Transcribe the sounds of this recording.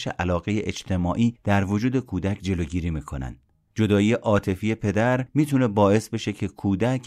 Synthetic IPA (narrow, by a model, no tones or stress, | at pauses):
ʃḛʔælɒːɣe̞jeʔed͡ʒt̪ʰe̞mɒːʔiːd̪̥æɾvod͡ʒuːd̪e̞kʰuːd̪æcʰd͡ʒe̞loːɟiːɾiːmiːkʰo̞næ̰nd̪̥ | d͡ʒo̞d̪ɒːiːeʔɒːt̪ʰe̞fiːje̞pʰe̞d̪æɾmiːt̪ʰune̞bɒːe̞sbe̞ʃe̞cʰe̞kʰuːd̪ækʰ